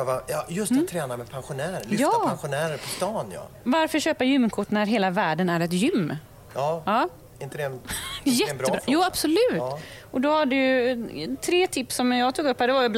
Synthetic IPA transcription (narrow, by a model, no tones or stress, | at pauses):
vajɑjɵst̪t̪ʰːɾɛːnaɾmɛd̪̚pʰanɧʊnæːɾlʏjɑːanɧʊnæːɾəɾpʰɔst̪ɑːnjɑ̰ | vaɾfœɾɕøːpajʏmːkʰʊʈːnæɾɦeːlavæːɖənæɾɛt̪jʏmː | jɑːɑː | ɪnt̪əd̪ɛjɛt̪bɾːəbɾjuːab̥sɔlʉ̟ːt̪ʔɔd̪ɔhaɖɛj | t̪ʰɾeːt̪ʰɪpsːɔmjɑːɡt̪uːɡɵphæɖɛvaɾjɵb